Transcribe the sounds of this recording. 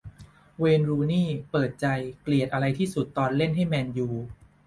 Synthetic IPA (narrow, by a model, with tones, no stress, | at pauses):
weː˧nɾuː˧niː˥˩pɤː˨˩t̪̚t͡ɕa˧jkli˨˩ət̪̚ʔa˧ɾa˧jt̪ʰiː˥˩su˨˩t̪ːɔː˧nle˥˩nɦa˥˩jmɛː˧njuː˧